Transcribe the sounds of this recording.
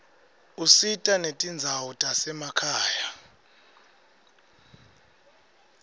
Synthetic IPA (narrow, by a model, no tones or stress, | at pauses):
usitʼanetʼind͡zʱawutʼasɛmakʰaːja